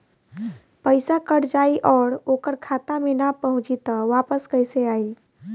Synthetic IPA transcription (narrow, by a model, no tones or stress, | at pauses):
pəɪsakəɽd͡ʒaiʔɔːɾokəɾkʰat̪amenapəɦʊ̃t͡ʃit̪ɔʋapəskəɪseaːi